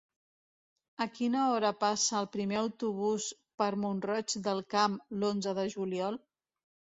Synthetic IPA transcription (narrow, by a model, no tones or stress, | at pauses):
əkinəɔɾəpasəːlˠpɾimeəwt̪uβ̞us | pəɾmunrɔt͡ʃd̪əlˠkamlonzəðəʒuliɔlˠ